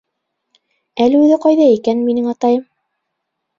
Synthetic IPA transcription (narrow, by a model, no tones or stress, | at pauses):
ælɘʉðɘqɑjðɑikænminɘŋɑt̪ɑjɤm